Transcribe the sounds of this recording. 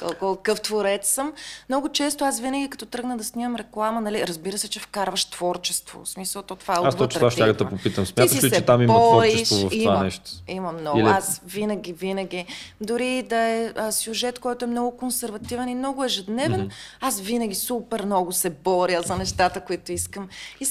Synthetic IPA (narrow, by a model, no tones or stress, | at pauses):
k̪ɔ̰lkokɤft̪voɾɛt̪ssəmnɔɡʊt͡ʃɛst̪ʊasvinəɡʲikɐ̥t̪ɔt̪ɾɤɡnəd̪ɐsnʲiməmɾɛklˠamənɐliɾɐzbiɾəsɛt͡ʃɛfkaɾvəʃt̪v̥ɔɾt͡ʃɛst̪vo̰smisəlˠt̪ot̪ovaɛat̪ɔt͡ʃ̪ɾaʃt̪ʲaɡd̪ɐpopit̪əmsmjat̪ilst͡ʃɛt̪amimbɔɔɾt͡ʃiɛstʃvvfiva̰nɛʃt̪o̥imɐmnɔɡiliasvinəɡʲivinəɡ̟id̪ʊɾid̪ɐɛəsʲjuʒɛt̪kɔjt̪ʊɛmnɔɡʊkonsɛɾvɐt̪ivɛnimnɔɡʊɛʒɛd̪nɛvɛnasvinəɡ̟ʲisupɛɾmnɔɡʊsɛbɔɾjəzɐnɛʃt̪at̪əkʊit̪ʊiskəmi